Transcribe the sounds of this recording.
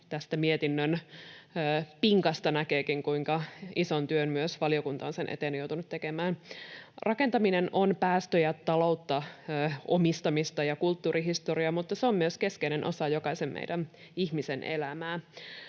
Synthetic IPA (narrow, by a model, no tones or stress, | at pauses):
t̪æst̪æmiet̪inːønː | piŋkɑst̪ɑnækeːkiŋkuiŋkɑisont̪yønmyøsʋɑliokunt̪ɑonsenʔḛt̪eːnjowt̪unut̪ːekemæːnrʔɑke̞nt̪ɑminenʔonpæːst̪øjɑt̪ɑlo̞ut̪ːɑːʔomist̪ɑmist̪ɑjɑkult̪ːuːriɦist̪oriɑmut̪ːɑseomːmyøskeskeinenʔosɑjokɑisemmḛidæn | ihmisenʔḛlæmæː